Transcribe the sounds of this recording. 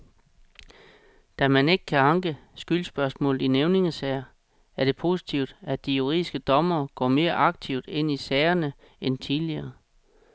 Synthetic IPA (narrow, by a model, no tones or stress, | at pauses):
d̥æmæne̝ɡ̥ə̥kʰæɑ̈ŋɡ̥əsɡ̥ylsb̥ɶɐsmɔ̰̽ːl̩ˠineʊne̝ŋəsɛɪɐ | æɐɾ̥e̝pʰo̝ːsi̥t͡sʰiʊd̥ædd̥ijuʁiðˠisɡ̥əd̥ɒ̽mɐːɡ̥ɒ̰ːme̝ːɐʔɑ̈ɡ̥̚t͡sʰiʊd̥e̝n̰isɛːɪɐnə | ent͡sʰiðˠliɐː